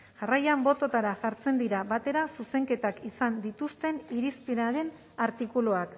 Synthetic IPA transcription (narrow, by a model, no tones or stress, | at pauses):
ʝarajambo̞t̪o̞t̪aɾaʝaɾt͡se̞nd̪iɾaβat̪e̞ɾasuse̞ŋke̞t̪akisand̪it̪ust̪e̞niɾispiɾaɾe̞n | aɾt̪ikuloak